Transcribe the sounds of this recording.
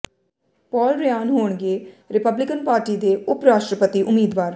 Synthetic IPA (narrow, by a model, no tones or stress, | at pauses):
pɔːlɾɪjaːnɦoːɳɡeːɾɪpəblɪkənpaːɾʈiːd̪eːʊpɾaːʃʈɾəpət̪iːʔʊmiːd̪ʋaːɾ